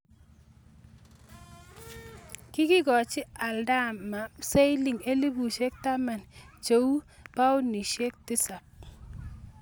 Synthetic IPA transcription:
kɪ˦kɪ˦ɡɔ˨t͡ʃɪ˦a˨lda˦mːa˨se˦jli˨ŋe˦li˦bu˨ʃe˦k̚ta˦ma˨nt͡ʃo˨u˦pa˦ʊ˦ni˨ʃe˦k̚tɪ˦sa˨p̚

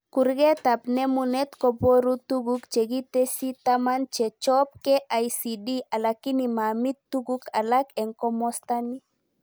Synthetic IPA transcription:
ku˨ɾɡɛ˦t̪a˨pnɛ˦mu˨nɛ˦t̪kɔ˨po˦ɾu˦tu˦ɡukt͡ʃe˨ɡi˦te˦si˦tama˦nt͡ʃɛ˨t͡ʃɔ˦p̚kɛ˦ʔa˨jsidi˦ʔa˨laki˦ni˨ma˨mi˦t̪ːuɡuka˨lakɛ˨ŋkɔ˦mɔsta˦ni˦

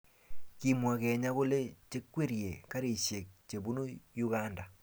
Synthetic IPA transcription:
ki˦mwa˨kɛ˨ɲa˦ko˦le˦t͡ʃe˦kwe˦ɾje˨ka˦ɾe˨ʃje˨k̚t͡ʃe˨bu˦nu˦ju˦ka˦nda˨

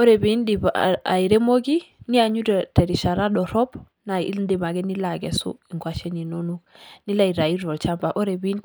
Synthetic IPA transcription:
o˦ɾe˨bi˨˦ndi˨b̰a̰˨i˨ɾe˦mo˦ɡi˦ni˦a˨ɲu˦ɾtɛ˨ɾi˨ʃa˨ɾa˦dɔ˨ɾɔ˦b | na˨˦ndi˨ma˨ɡɛ˦ni˦la˨ɡɛ˨sṵ˦i˨ŋɡwa˨ʃɛ˦ni˨no˦nu˦k̚ni˦la˦˨i˨ɾa˨i˦ɾɔ˨lt͡ʃa˦mba˨ʔo˦ɾe˨bi˦n

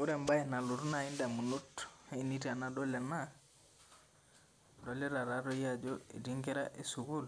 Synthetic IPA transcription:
u˦ɾe˨mba˦e˨na˨lu˨ɾu˦na˨i˦nda˨mu˨nu˦te˦i˦ni˦tia˨nado˦la˨na | do˦le˦ɾa˨ɾa˨ɾo˦jad͡ʒoḭ˨ti˦ŋke˦ɾa̰ʔe˦su˨ɡu˦l

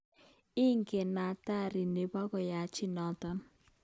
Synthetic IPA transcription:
ɪ˦ŋke˨na˨ta˦ɾi˨ne˨ba˦kɔ˨ja˨t͡ʃɪ˦nɔ˨tɔ˦n

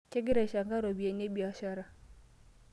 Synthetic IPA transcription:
t͡ʃɛ˦ɡɪ˦ɾɛ˨ʃa˨ŋɡa˦ɾo˨bi˨e˨ne˦bi˨a˨˦ʃa˦ɾa˦˨

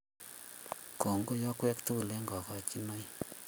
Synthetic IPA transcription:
ko˨ŋɡo˦jɔ˦kwɛ˦kt̪u˦u˨le˦ŋɡɔ˨kɔ˨t͡ʃi˦no˦j

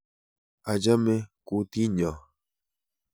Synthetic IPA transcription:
a˨d͡ʒa˦mẽ˦ku˦t̪i˦ɲã˨

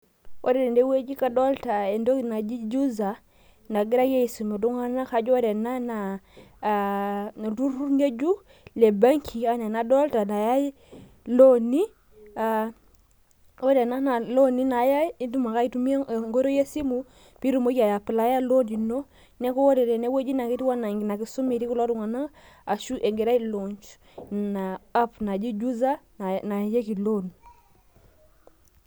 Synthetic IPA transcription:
wʔo˦ɾe˨ɾe˨nde˦we˦d͡ʒi˦ka˦do˦lta˨e˨ndo˦kna˨d͡ʒi˦d͡ʒu˦za˨ | na˨ɡi˦ɾa˦je˦i˨su˨mo˨du˦ŋa˦na˦ka˦d͡ʒo˦de˨na˦na˨ | na˨du˦ɾu˦ɲe˦d͡ʒu˦ | le˨ba˦ŋkʰi˨a˦na˨na˨do˦lta˨na˨ja˦ | lo˦ni˦ | a˨ | o˦ɾɛ˨na˦na˨lo˦ni˦na˨˦ja˦i˦ndu˦ma˨ka˦i˦tu˦mi˦˨ŋɡo˦ɾo˦je˦si˦mu˨ | pi˦ɾu˨mo˦ki˦a˨ja˨pɪ˨la˦ja˦lo˦di˨no˦ | nɛ˦ko˦o˦ɾe˨ɾɛ˨nɛ˦we˦d͡ʒi˦na˨ki˦ti˦wa˦na˨ŋɡi˨na˨ki˨su˦mi˨ɾi˦ku˦lɔ˦tu˨ŋa˨na˦ | a˨ʃu˦ʔe˨ŋɡe˨ɾa˦i˦lo˨ɲt͡ʃ | na˨a˦pna˨d͡ʒi˦d͡ʒu˦za˦˨ | na˨je˦ki˨lo˦n˨

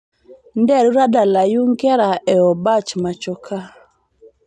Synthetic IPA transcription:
ndɛ˦˨ɾu˦ɾa˦da˨la˨ju˦ŋkɛ˦ɾa˨ʔɛ˨ɔ˨ba˦t͡ʃma˨t͡ʃɔ˨kʰa˦

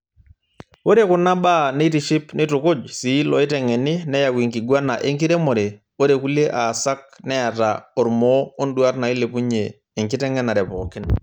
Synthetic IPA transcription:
wo˦ɾe˦˨kʊ˨na˦baː˦nɛ˦i˦ti˨ʃɪ˦pnɪ˦tʊ˨kʊ˦d͡ʒsi˨˦lɔ˨ɪ˦tɛ˨ŋɛ˨nɪ˦nɛ˦ja˨wi˨ŋki˨ɡwa˦na˨ʔe˦ŋki˦ɾɛ˦mɔ˨ɾe˨ | o˦ɾe˨ku˦le˦ʔa˨sa˦k̚nɛ˦a˨ta˨ɔ˨ɾmɔ˦ɔ˦ndu˦a˦tna˨iɪ˦le˨pu˦ɲeː˨ | ŋkɪ˦tɛ˦ŋɛ˦na˨ɾɛ˨pɔː˨kɪ˦n

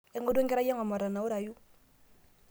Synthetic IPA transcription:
e˦ŋɡo˦do˦ŋɡɛɾa˦ja˦ŋɔ˨ma˨ɾa˨nːa˨u˦ɾa˨ju˦

